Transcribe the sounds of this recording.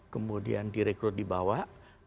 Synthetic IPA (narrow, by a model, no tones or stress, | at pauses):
kəmudḭandiɾɛk̚t̪ʊr̚dibawaʔ